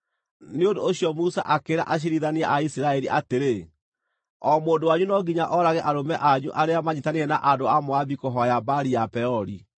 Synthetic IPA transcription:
neondoːɕjɔmusa̰ʔakeɾa̰ʔaɕ̬iɾiðaneaʔaisiɾaɛɾiʔateɾe | ɔmoːndowaɲunɔɡiɲaʔɔɾaɣɛʔaɾomɛʔaɲṵʔaɾeamaɲitaneɛnaʔadoamoaβikoɦɔjabaɾiapɛɔɾḭ

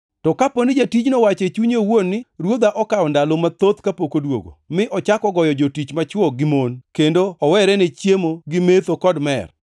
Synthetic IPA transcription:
tɔkaponɪd͡ʒatid͡ʒnowat͡ʃɛt͡ʃuɲewonːɪɾwod̪aʔɔkaɔndalomat̪ot̪kapokodwo̰ɡo̰mɪʔɔt͡ʃakɔɡɔjɔd͡ʒotit͡ʃmat͡ʃwɔɡɪmonkendoɔwɛɾɛnɛt͡ʃjemoɡɪmet̪okɔdmɛ̰r

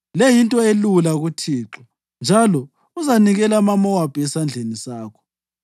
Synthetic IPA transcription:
lejintʼɔelulaɣutʰiːǁɔ | nd͡ʒʱalɔ | uzaniɣɛlamamɔwapʼiɛsand͡ɮʱenisaːkʰɔ̥

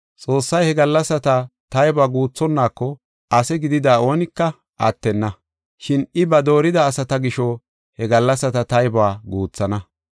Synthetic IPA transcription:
t͡sʼo̞ːsːɐjhɛɡɐlːɐsːɐt̪ɐt̪ɐjbaːɡuːt͡sːɔnːaːkːɔ | ɐsɛɡɪd̪ɪd̪aːo̞ːnɪkːɐ | ʔɐ̰t̪ːɛnːɐ | ʃɪnɪbɐd̪o̞ːɾɪd̪ɐːsɐt̪ɐɡɪʃɔ | hɛɡɐlːɐsːɐt̪ɐt̪ɐjbaːɡuːt͡sːɐnɐ

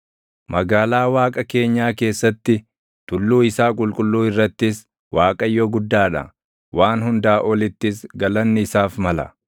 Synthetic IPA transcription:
mʔɐɡaːlaːwaːkʼɐke̞ːɲːaːke̞ːsːɐt̪ːɪ | t̪ʊlːuːɪsaːkʼʊlkʼʊlːuːɪrːɐt̪ːɪs | waːkʼɐjːɔɡʊd̪ːaːᶑɐ̰ | waːnhʊnd̪aːʔɔlɪt̪ːɪs̬ɡɐlɐnːɪɪsaːfmɐlɐ̰

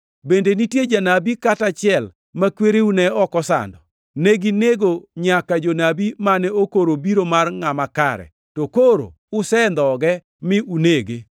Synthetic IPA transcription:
bendenitjed͡ʒanabikatat͡ʃɪɛl | makweɾeunɛɔkɔsa̰ndɔ | neɡineɡoɲakad͡ʒonabimanɛokoɾobiɾomarŋamaka̰ɾɛ̰ | tokoɾo̰ | ʊsɛnd̪ɔɡɛ | mɪuneɡe

